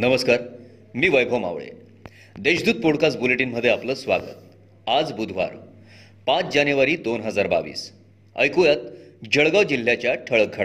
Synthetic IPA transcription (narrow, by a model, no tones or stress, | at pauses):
nəməskaɾ | miːʋəjbʱoma̰ʋɭḛ | d̪eɕd̪uːd̪̚poɽkasbuleʈiːnməd̪ʱːjeapləːsʋaɡə̰t̪̚ | ad͡zbud̪ʱʋa̰ɾ | pat͡sd͡ʑanjuʋaɾiːd̪onɦəd͡zaɾba̰ʋḭːs | ə̰jkujat̪̚d͡ʑəɭɡawd͡ʑil̤ːjat͡ɕjaʈʰəɭək̚ɡʱa